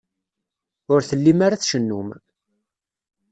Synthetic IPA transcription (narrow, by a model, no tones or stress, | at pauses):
ʊɾθəlːimaɾaθʃənːum